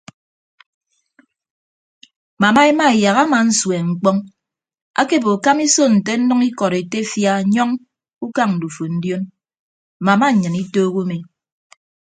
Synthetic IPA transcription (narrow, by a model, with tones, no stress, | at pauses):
ma˨ma˦e˦ma˦e˨ja˨ɣa˦ma˨n̩˦swe˨ŋ͡m̩˨k͡pɔ˦ŋ | a̰˦ke˦˨bo˨ka˦mi˦so˦n̩˨te˦n̩˦nɔ˦ŋi˦kɔ˨ɾe˨te˦fja˦ɲɔ˦ŋ | u˦ka˦ŋn̩˨du˨fu˨n̩˦djo˦n̩˨ | ma˨ma˦˨ɲɨ˨ni˦toː˦ɣu˦me˨